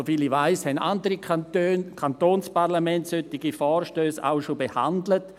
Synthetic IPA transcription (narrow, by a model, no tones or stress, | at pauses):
ofiliʋaɪshɛna̰ndəɾikʰantøːnkʰantoːnspaʁlamɛntsøtːiɡifɔːrʃtøːsa̰ʊʃobeha̰ndlət